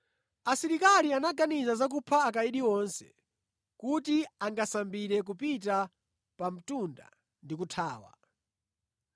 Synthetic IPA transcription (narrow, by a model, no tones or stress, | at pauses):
asiɾikalianaɡanizazak̬upʰaːk̬aiɗiɔnsɛ̥̰ | kutiaŋɡasambiɾɛk̬upita | pam̩tunda̰ | ndik̬utʰaːwa̰